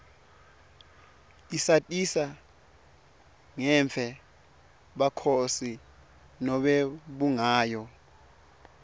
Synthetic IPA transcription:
isatʼisa | ŋɛɱfʰɛ | ɓakʰosi | nɔɓɛɓuŋaːjɔ

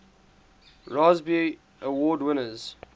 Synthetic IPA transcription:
ɹazbi | ʔəwɔːdwɪnəz̥

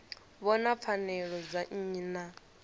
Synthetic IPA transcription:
βɔnap̪fʰanɛɺɔd͡zaɲ̩ːna

